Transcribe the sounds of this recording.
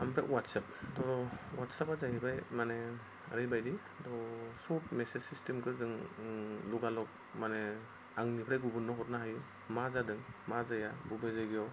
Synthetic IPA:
ampʰɾa̰ʔwatsap̚tɔɾɔwatsapazaɦibajmane | aɾɯjbajdi | dɔsut̚mesesistemkʰɯzɯŋ | luɡalɔk̚ | mane | aŋnipʰɾajɡubunːɔɦɔt̚naɦaju | mazadɯŋmazajabubezajɡijɔw

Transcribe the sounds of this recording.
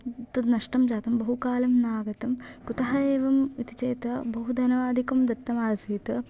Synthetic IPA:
t̪unɐʂʈɐmd͡ʒaːt̪ɐmbɐɦukaːlɐmnaːɡɐt̪ɐmkut̪ɐɦɐeːʋɐmit̪it͡ʃɐjt̪ɐbɐɦud̪ɐnɐʋaːd̪ʱikɐmd̪ɐt̪ːɐmaːlsɐːt̪ɐ

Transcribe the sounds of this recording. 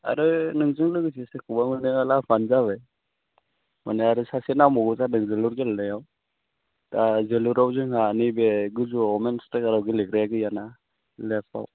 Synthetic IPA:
a̰ɾɯnɯŋzɯŋlɯɡɯsisekʰubamɯlnɯalapʰanzaβɯj | maneaɾɯsasenawmɔɡuzanɯŋzɯluɾɡelːɯjaw | tazeluɾawzɯŋanibeɡɯzuɔmenstakaɾawɡilekɾajaɡɯjana | lespa̰w

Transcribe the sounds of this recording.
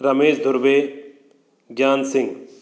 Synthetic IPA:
ɾɐmeːsd̪ʱʊɾbe | ɡjaːnsɪ̃ŋɡ

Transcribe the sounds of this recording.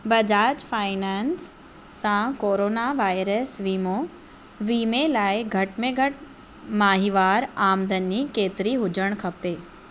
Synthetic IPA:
bɐd͡ʑaːd͡ʑfaːɪnɛːnsː | ãkoːɾoːnaʋaːɪɾəsʋiːmo | ʋiːmelaːɪɡʱɐʈmẽɡʱɐʈ | maːɦiʋaːɾaːmd̪ʱənikeːt̪ɪɾiɦʊd͡ʑəɽ̃kʰɐpeː

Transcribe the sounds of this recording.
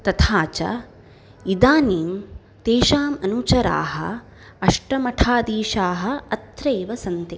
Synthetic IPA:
t̪ɐt̪ʰaːt͡ʃɐ̰ | id̪aːniːm | t̪eːʃaːmɐnut͡ʃɐɾa̰ːɦɐ̰̆ | ɐʂʈɐmɐʈʰaːd̪iːʃaːɦɐ̆ɐt̪ɾeːʋɐsɐnt̪i

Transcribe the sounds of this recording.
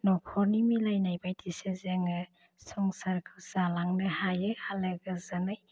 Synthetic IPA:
nɔkʰɔɾnimilajnajbajtʰisezeŋɯ | sɔŋsaɾkʰɯwz̥alaŋnɯhajɯhalɯɡɯzanɯj

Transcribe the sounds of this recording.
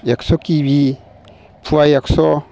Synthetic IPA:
jaksokibi | pʰuajakso

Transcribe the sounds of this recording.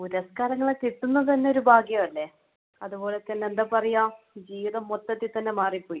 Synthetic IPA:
uɾɐskaːɾɐŋːɐɭet̪it̪ːunːɐt̪ɐnːe̞oɾubʱaːɡjɐʋɐlːe | ɐðubo̞ːlet̪ːɐnːeend̪aːpɐrɐjaːm | d͡ʑiːʋiðɐmːot̪ːɐt̪ːit̪ːɐnːe̞maːripːo̞ːji

